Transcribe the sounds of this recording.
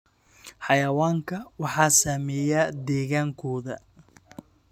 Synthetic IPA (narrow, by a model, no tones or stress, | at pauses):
ħɑjɐwaːŋkʰɐwɑħɑːsaːmɛːjad̪ɛːɣaːŋkʰɔːðɐ